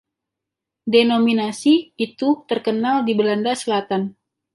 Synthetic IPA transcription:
denominasiːt̪ut̪ərkənaldibəlandasəlat̪an

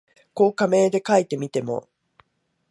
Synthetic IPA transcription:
ko̞ːkame̞ːd̪e̞kait̪e̞mʲit̪e̞mo̞̰

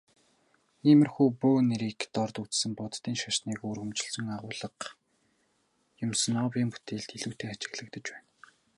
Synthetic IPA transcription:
iːmɘ̆rxuːpoːneɾiːkt̪ɔrt̪ut͡ssə̆mpɔt̪ːiːŋʃaʃniːkuːrɣɵ̆mt͡ɕɪ̆ɬt͡sə̆ŋaʁʊːɮə̆q | jʊmsə̆nɔːpʲiːmpu̥t̪ʰeːɮt̪iɮuːt̪ʰeːat͡ɕɪ̆ɣɮə̆kt̪ə̆t͡ɕpæːn

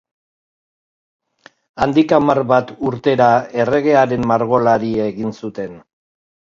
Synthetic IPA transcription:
and̪ikamarβat̪uɾt̪e̞ɾae̞re̞ɣe̞aɾe̞mmaɾɣo̞laɾieɣinsut̪e̞n

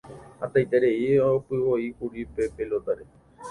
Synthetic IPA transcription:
at̪ajt̪eɾeiopɨʋoikuɾipepelot̪aɾe

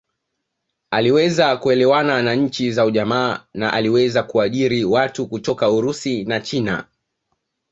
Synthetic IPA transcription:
aliwɛzakuɛlɛwananaɲ̩t͡ʃizauʄamaːnaʔaliwɛzakuaʄiɾiwatukutɔkauɾusinat͡ʃina̰

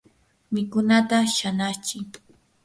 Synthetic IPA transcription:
mɪkʊnat̪aʃanat͡ʃɪŋ

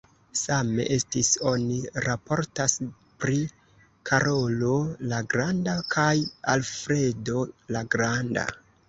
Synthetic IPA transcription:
same̞̰ʔe̞stiso̞niɾapo̞ɾtas | pɾi | kʰaɾʔo̞lo̞laɡɾandakʰajalfɾe̞do̞laɡɾanda̰

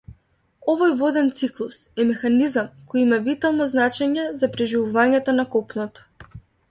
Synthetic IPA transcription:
ɔvɔjvɔd̪ɛnt̪siklˠusɛmɛxanizamkɔjimavit̪alˠnɔznat͡ʃɛɲɛzapɾɛʒivuvaɲɛt̪ɔnakɔpnɔt̪ɔ̥

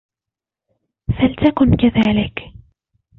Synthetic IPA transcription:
falt̪akʊnkaðaːlɪk

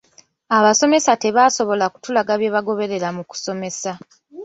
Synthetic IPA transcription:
aβaso̞me̞sate̞βaːso̞βo̞laku̥tulaɡaβje̞ːβaɡo̞βe̞ɾe̞ɾamuku̥so̞me̞sa

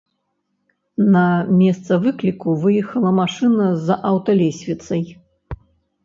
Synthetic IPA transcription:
nɐmʲɛst̪sɐvɨklʲikuvɨjɛxɐlˠɐmaʂɨnɐzʔawt̪ɐlʲɛsʲvʲit̪sɐj

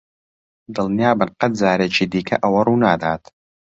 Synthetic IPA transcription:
d̪ɨlnijaːbɨnqɐt̪̚zaːɾet͡ʃʰiːd̪iːkʰɐ̰ʔɐwɐruːnaːd̪aːt̪ʰ

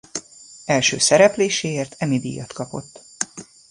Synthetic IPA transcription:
ɛlʃø̰ːsɛɾɛpleːʃeːeːrt̪ʰɛmid̪ḭːjɒt̪kɒpo̞̰t̪ː

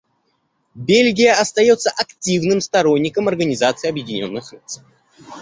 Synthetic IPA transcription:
bʲelʲɡʲɪjəɐst̪ɐjo̞t̪səʔɐktʲivnɨmst̪ɐɾo̞nʲːɪkəmɐrɡənʲɪzat̪sɨːɐbjɪdʲɪnʲo̞̰nːɨxt̪sɨ

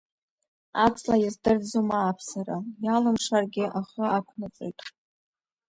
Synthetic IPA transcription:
at͡sʼlajazdɨrd͡zumaːpʰsarajalɨmʂarɡʲɪʔaχəakʷʰnat͡sʼo̰jtʼ

